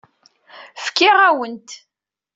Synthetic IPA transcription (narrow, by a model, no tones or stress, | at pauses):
fkːɪʁæwənt̪